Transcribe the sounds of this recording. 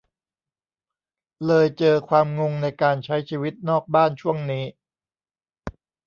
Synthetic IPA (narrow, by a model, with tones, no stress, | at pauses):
lɤː˧jt͡ɕɤː˧kʰwaː˧mŋo˧ŋna˧jkaː˧nt͡ɕʰa˦˥jt͡ɕʰiː˧wi˦˥t̪̚nɔː˥˩k̚baː˥˩nt͡ɕʰu˥˩əŋniː˦˥